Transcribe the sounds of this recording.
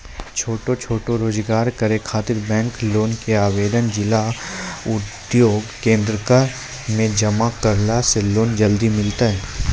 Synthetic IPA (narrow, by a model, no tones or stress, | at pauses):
t͡ʃʰoːʈot͡ʃʰoːʈoɾoːd͡ʒɡaːɾkəɾekʰaːt̪ɪɾbɛ̃ːŋkloːnkeaːʋeːd̪ənd͡ʒɪlaʊd̪ | joːɡkẽːnd̪ɾəkaɾ | mẽd͡ʒɐmakɐɾlaseloːnd͡ʒɐld̪imɪlt̪aɦɛː